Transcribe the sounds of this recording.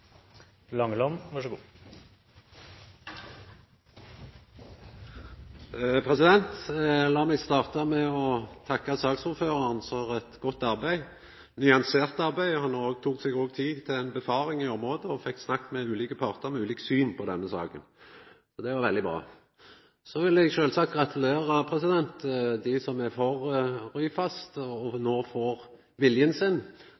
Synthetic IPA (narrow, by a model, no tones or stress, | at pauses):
lɑŋlɔmʋɑʂəɡuː | pʰʁɛsɪd̪ɛnt̪lɑːmɛɡst̪ɑːʁt̪ɑmɛɔt̪ʰɑkːɑsɑːksuːɾføːʁɑʁnfɔʁɛt̪ɡɔt̪ːɑʁbæɪ | nʏɑnseːʁt̪ɑʁbæɪɔhɑnoːɡ̚t̪ʰuːksɛɡoːɡ̚t̪ʰiːt̪ʰɪlɛɪnbəfɑːɾɪŋɪɔmɾoːd̪əɔfɛkːsnɑkːmɛʉːliːkəpʰɑʁt̪əɾmɛʉːliːksyːnpʰɔd̪ɛnːəsɑ̰ːkən | sɔd̪ɛʋɑɾʋɛld̪ɪbɾɑ̰ː | sɔʋɪlɛɡʃøːlsɑk̚t̪ɡʁɑt̪ʰəleːʁəpʰɾɛsɪd̪ɛnt̪d̪ɪsɔmɛfɔʁɾyːfɑst̪ɔnoːfoːɾ | ʋɪljənsɪn